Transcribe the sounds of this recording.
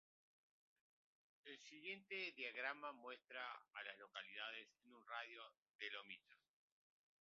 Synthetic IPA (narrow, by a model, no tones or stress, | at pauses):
elsiɣje̞nt̪eðjaɣɾamamwe̞st̪ɾaːlazlo̞kaliðaðesenunraðjo | ðelomit̪o